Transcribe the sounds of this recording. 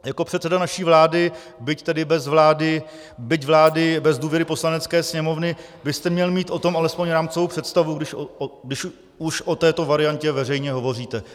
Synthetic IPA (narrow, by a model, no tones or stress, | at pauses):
jako̞pr̝ɛt̪sɛdanaʃiːvlaːdɪ | bɪct̪ɛdɪbɛzvlaːdɪ | bɪcvlaːdɪbɛzduːvjɛɾɪpo̞slanɛt͡skɛːsɲɛmo̞vnɪbɪst̪ɛmɲɛlmiːt̪ʔo̞t̪o̞malɛspo̞ɲɾaːmt͡sovowpr̥ɛt̪st̪avuɡdɪʃɡdɪʃ | uʃʔo̞t̪ɛːt̪o̞vaɾɪancɛvɛrɛjɲɛɦo̞vo̞riːt̪ɛ